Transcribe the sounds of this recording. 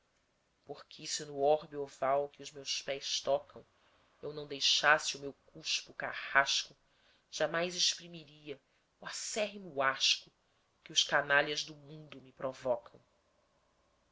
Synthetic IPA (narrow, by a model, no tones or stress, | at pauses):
poχkʰɪsɪnʊɔɾbiovawkɪʊzmewspɛjst̪ɔkɐ̃w̃ | ewnɐ̃w̃d̪ejʃasɪʊmewkuʃpʊka̰haʃkʊ | ʒ̥amajzɪʃpɾimiɾiɐ | wasɛɦɪmuaʃkʊ | kɪʊʃkanaliɐʒd̪ʊmũd̪ʊmɪpɾovɔkʰɐ̃w̃